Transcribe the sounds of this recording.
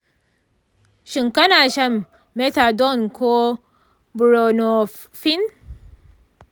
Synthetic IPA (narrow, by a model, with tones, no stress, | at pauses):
ʃi˨ŋka˦na˨ʃɐ˦mː | e˦ta˨do˦˨nko˦ | bu˨ɾo˨no˨ | fi˦n